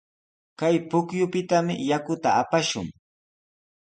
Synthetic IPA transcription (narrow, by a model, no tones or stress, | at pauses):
kajpʊkjʊpɪt̪amɪ̰jakʊt̪aapaʃʊ̰ŋ